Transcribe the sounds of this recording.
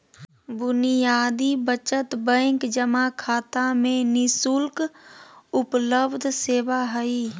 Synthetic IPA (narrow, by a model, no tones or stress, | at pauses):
bʊnijaːd̪ibət͡ʃət̪bə̃ːŋkd͡ʒəmakʰaːt̪amẽnɪsʊlk | ʊpləbd̪ʱseːʋaɦəi